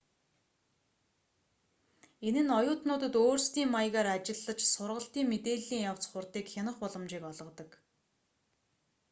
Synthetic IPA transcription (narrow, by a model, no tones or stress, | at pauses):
enɘ̆nɔjʊːt̪nʊːt̪ə̆t̪oːrst̪iːŋmaj̆ɣaːɾat͡ɕɪ̆ɮːə̆t͡ɕsʊrʁə̆ɬt̪iːŋmet̪eːɮiːŋjaw̥t͡sχʊrt̪iːkxanə̆χpɔɮɞ̆mt͡ɕiːkɔɮʁɞ̆t̪ɞ̆k